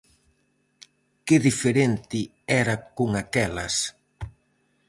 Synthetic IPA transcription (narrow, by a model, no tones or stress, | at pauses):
kɪðifeɾent̪ɪ | ɛɾɐkoŋakɛlɐs